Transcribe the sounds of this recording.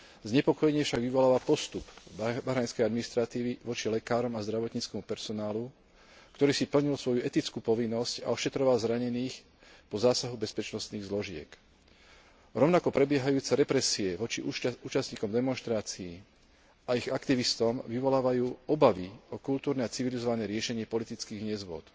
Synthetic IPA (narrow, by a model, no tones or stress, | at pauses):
zɲɛpɔkɔjɛɲɪɛfʃaɡʋiʋɔlaːʋapɔst̪upbaɦɾaːnskɛjad̪miniʃt̪ɾat̪iːʋiʋɔt͡ʃilɛkaːɾɔmazd̪ɾaʋɔt̪ɲiːt͡skɛmupɛɾsɔnaːlu | kt̪ɔɾiːsipl̩ɲilsʋɔjuɛt̪it͡skuːpɔʋinːɔsca̰ɔʃɛt̪ɾɔʋalzɾaɲɛniːx | pɔzaːsaɦubɛspɛt͡ʃnɔst̪niːɣzlɔʒɪɛ̰k | ɾɔʊnakɔpɾɛbɪɛɦajuːt͡sɛɾɛpɾɛsiɛʋɔt͡ʃiuːt͡ʃast̪ɲiːkɔmd̪ɛmɔnʃt̪ɾaːt͡sii | aiɣakt̪iʋist̪ɔmʋiʋɔlaːʋajuːɔbaʋiɔkult̪uːɾnɛat͡siʋilizɔʋanɛːɾɪɛʃɛɲɪɛpɔlit̪it͡skiːɣɲɛzʋʊɔ̰t̪